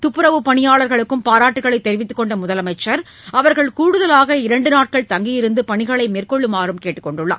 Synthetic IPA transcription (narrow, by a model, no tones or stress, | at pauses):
t̪ʊpːɯɾɐʋɯpɐɳɪjaːɭɐɾɣɐɭɯkːɯmpaːɾaːʈːɯɣɐɭɐɪt̪ːɛɾɪʋɪt̪ːɯ̥kːɔɳɖɐmʊðɐlɐmɐɪt͡ʃːɐɾ | ɐʋɐɾɣɐɭkuːɽɯðɐlaːɣɐɪɾɐɳɖɯnaːʈ̚kɐɭt̪ɐŋɡijɪɾɯnd̪ɯpɐɳɪɣɐɭɐɪmeːrkɔɭːɯmaːɾɯmkeːʈːɯ̥kːɔɳɖɯɭːɐ̰ː